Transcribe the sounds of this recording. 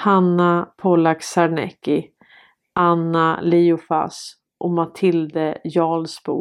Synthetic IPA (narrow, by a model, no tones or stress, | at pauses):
hanːapʰɔlaksaɾɳɛ̰kːɪ | ʔanːaliːʊfa̰s | ʔɔmat̪ʰɪld̪əjɑːlsbṵː